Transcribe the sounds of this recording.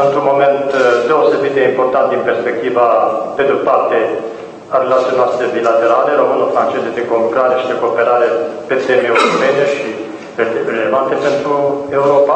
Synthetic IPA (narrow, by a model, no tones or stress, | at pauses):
ɨnt̪ɾumomɛnt̪d̪ewsebit̪eimpoɾt̪ant̪inpeɾspek̚t̪ivaped̪ut̪paɾt̪e | aɾelat̪sjonasebilat̪eɾaleɾomənofɾant͡ʃezd̪et̪ekompɾaɾeʃi̥t̪ekoːpeɾaɾepet̪ɛmiɛwɾopɛneʃi | eɾelevant̪epent̪ɾuewɾopa